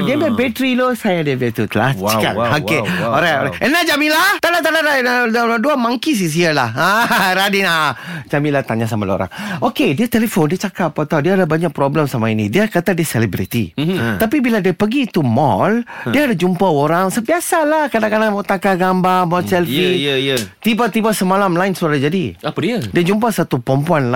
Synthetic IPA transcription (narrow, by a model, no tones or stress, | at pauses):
diabɛbɛt̪ɾilosajadiadiat̪ut̪əla̰st͡ʃka̰oeoɾajo̰ɾaʔənad͡ʒamĩlat̪alat̪adadanadladuamaŋkis̬is̬ialahaɾadinad͡ʒamĩnlaht̪aɲas̬amalo̰ɾa̰ŋokediat̪elefondiət͡ʃakapːot̪awdiaːdabaɲak̚pɾobləmsamainḭdiakat̪adiəselibɾḭt̪ḭt̪apibiladiəpəɡiːt̪umɔ̰ldiaːdad͡ʒumpaoɾaŋsəbiasalahkadãʔkadanmɔt̪akaɡambamɔlsɛlfijt̪ibat̪ibasəmalamlaɪnsuaɾad͡ʒadiapadiədiəd͡ʒumpasat̪upɾəmpuanl